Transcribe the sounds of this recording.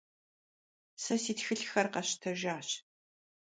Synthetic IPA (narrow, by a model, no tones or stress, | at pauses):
sɐsiːtxɨɬxɐrqɐɕtʰɐʒaːɕ